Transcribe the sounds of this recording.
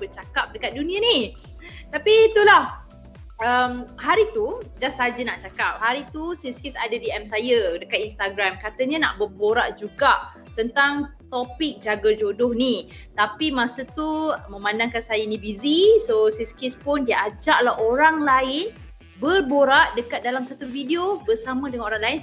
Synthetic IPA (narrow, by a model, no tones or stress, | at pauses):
bət͡ʃakap̚dəkat̪̚dunĩani | t̪apit̪ulah | əmhaɾit̪ud͡ʒasad͡ʒənaʔt͡ʃakap̚haɾit̪usiskisa̰dədiɛmsajədəkat̪̚inst̪aɡɾamkat̪əɲana̰ʔbərboɾaʔd͡ʒuɡaʔ | t̪ənt̪aŋt̪opɪk̚d͡ʒaɡəd͡ʒodʊhni | t̪apimãsət̪umə̃mãndaŋkansajanĩbizisosiskispʊndiəʔad͡ʒaʔlahoɾaŋlaɪn | bərboɾaʔdəkat̪̚dalamsat̪uvidiobərsamə̃dəŋanoɾaŋlaɪn